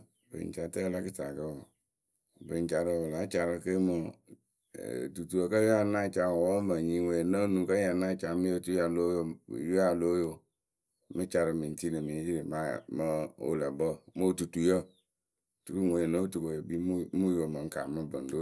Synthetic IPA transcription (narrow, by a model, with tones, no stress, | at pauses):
bə̰˨n˨t͡ʃa˨tə˦la˦kə˦t͡ʃa˨kə˦o˨ | bə˨n˨t͡ʃa˨ɾə˨wə˨la˨˦t͡ʃa˨ɾə˦kə˦mə˨ | tu˨tu˨jə˨kə˦jo˦a˦na˦t͡ʃa˨wo˨˦mə˨ɲi˦we˨nə˦nũ˨kə˦ja˨na˦t͡ʃa˨˦mi˦ə˦tu˦a˨lo˦jo˨jo˦a˨lo˦jo˨ | mə˦t͡ʃa˨ɾɨ˨mi˨n˨ti˦nə˨mi˨˦ji˦ɾi˨ma˦mə˦o̰˦la˨bə˦mə˦˨tu˨tu˨jə˦ | tu˨tu˦˨we˨nə˦tu˨ko˨jə˨bi˦m˦mu˦jo˨mə˨ŋ̩˦ka˨mə˦bə˨n˨do˦